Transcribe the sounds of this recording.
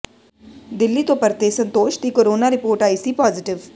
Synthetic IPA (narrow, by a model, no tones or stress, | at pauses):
d̪ɪlːiːt̪õːpəɾt̪eːsənt̪oːʃt̪iːkoːɾoːnaːɾɪpoːɾʈaːiːsiːpɔːzɪʈɪʋ